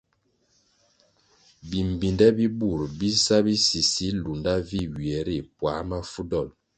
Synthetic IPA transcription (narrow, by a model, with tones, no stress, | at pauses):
bi˨m˨bi˨ndɛ˦bi˦bu˦˨ɾbi˦sa˦bi˦si˨si˦lu˨nda˦vi˦˨wi˨ɛ˨ɾi˦˨pwa˨˦ma˦fu˦dɔ˦˨l